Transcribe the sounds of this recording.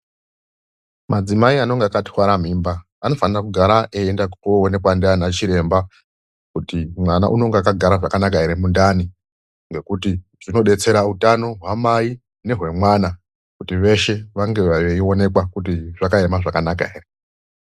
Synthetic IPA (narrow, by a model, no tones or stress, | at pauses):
mad͡zimaiano̞ŋɡeakati̥waɾam̤iːmbaː | no̞fanirakuɡʱaɾaʔeendakuone̞kwandianat͡ʃiɾe̞mba | kutimwana̰ʔuno̞ŋɡeakaɡʱaɾaʐakanak̬aɦe̞ɾe̞mundani | ŋɡe̞kuti | ʐ̥ino̞ɗe̞t͡se̞ɾautano̞ɦwamai | ne̞ɦwe̞mwana | kutiʋe̞ʃe̞ʋaŋɡe̞aʋeio̞ne̞kwakut̬iʐakaemaʐakanaka̰ɦeːre